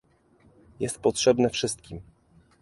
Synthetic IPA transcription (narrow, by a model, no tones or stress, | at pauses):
jɛst̪̚pɔtʂɛbnɛfʂɘst̪kʲim